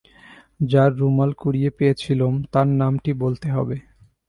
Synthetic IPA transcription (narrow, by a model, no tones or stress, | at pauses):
d͡ʑaɾːumalkuɽijepejet͡ɕʰilomt̪aɾnamʈibolt̪eɦɔ̰be